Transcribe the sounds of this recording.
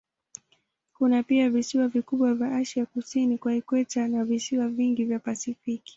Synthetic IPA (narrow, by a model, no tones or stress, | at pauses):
kunapiavisiwavikuɓwavjaʔaʃiakusinikwaikwɛtanavisiwaviŋɡivjapasifiki̥